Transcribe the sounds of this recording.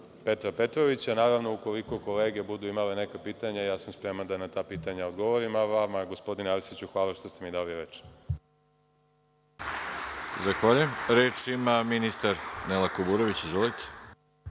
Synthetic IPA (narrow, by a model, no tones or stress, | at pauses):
pe̞t̪ɾape̞t̪ɾo̞ʋit͡ɕanaːɾaʋno̞ukoliko̞ko̞le̞ːɡe̞bud̪uimale̞ne̞kapiːt̪aɲajaːsamspɾe̞mand̪anat̪aːpiːt̪aɲaoɡo̞ʋoɾimaʋamaɡo̞spo̞d̪inaɾisit͡ɕuxʋaːlaʃt̪o̞st̪e̞mid̪aːliɾet͡ʃ | zaxʋaʎujemɾeːt͡ʃimaminist̪aɾnelakobuɾoʋit͡ɕizʋolit̪ʰe̥